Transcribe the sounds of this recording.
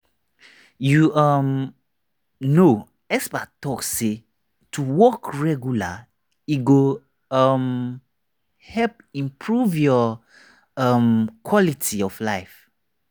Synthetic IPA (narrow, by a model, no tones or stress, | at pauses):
juʌm | no | ɛsbatɔksːe | tʰuwɔkɹɛɡjula | iɡo | ʌm | hɛp̚ | ĩmpʰɹuvjɔ | ʌmkʰwɔlitʰiɔflaɪf